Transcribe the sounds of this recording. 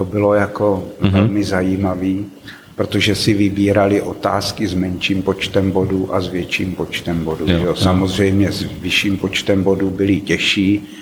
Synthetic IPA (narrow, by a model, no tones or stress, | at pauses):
t̪obɪlo̞jako̞vɛlmɪzajiːmaviː | pɾot̪oʒɛsɪvɪbiːɾalɪʔo̞t̪aːskɪzmɛnʃiːmpo̞t͡ʃt̪ɛmbo̞duʔazvjɛt͡ʃiːmpo̞t͡ʃt̪ɛmbo̞duʒɛosamo̞zr̝ɛjmɲɛzvɪʃiːmpo̞t͡ʃt̪ɛmbo̞dubɪlɪcɛʃiː